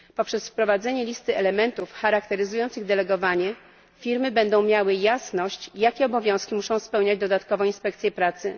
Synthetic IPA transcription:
pɔpʂɛsfpɾɔvad̪zɛɲɛlʲist̪ɘɛlɛmɛnt̪ufxaɾak̚t̪ɛɾɘzujɔnt̪sɘɣd̪ɛlɛɡɔvaɲɛ | fʲiɾmɘbɛnd̪ɔ̃w̃mʲjawɘjasnɔɕt͡ɕjakʲɛɔbɔvʲjɔ̃w̃skʲimuʂɔ̃w̃spɛwɲad͡ʑd̪ɔd̪at̪kɔvɔ̃w̃inspɛk̚t̪sʲjɛpɾat̪sɘ

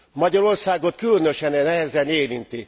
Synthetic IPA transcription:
mɒɟɒɾo̞rsaːɡo̞t̪̚kylønøʃɛnɛnɛɦɛzɛneːɾint̪i

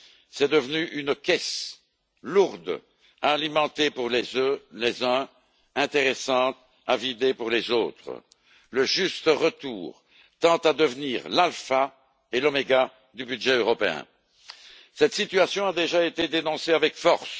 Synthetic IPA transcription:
sɛd̪əvnyʔynkʲɛs | luʁd̪ | aːlimɑ̃t̪epuʁlezølezœ̃ | ɛ̃t̪eʁesɑ̃t̪ | avid̪epuʁlɛzoːt̪χə̰ | ləʒyst̪əʁət̪ṵːʁ | t̪ɑ̃t̪ad̪əvniːʁlalfa | elɔmeɡa | d̪ybyd̪ʒɛøʁɔpeɛ̰̃ | sɛt̪sit̪yasjɔ̃ad̪eʒaet̪ed̪enɔ̃seavɛkfɔʁs

